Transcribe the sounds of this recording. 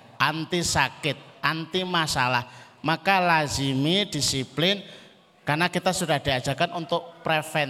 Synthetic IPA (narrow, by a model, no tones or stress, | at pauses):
ʔant̪isakɪt̪̚ʔant̪imasalah | makalazimid̥isiplɪn | karnakit̪asudahd̥iad̥d͡ʒ̥akanʔunt̪ʊʔ̚pɾefɛn